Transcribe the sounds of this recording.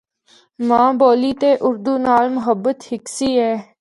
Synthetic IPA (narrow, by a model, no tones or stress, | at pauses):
mãːboːliːt̪eːʔʊɾd̪uːnaːlmʊɦəbːət̪hɪksiːɛː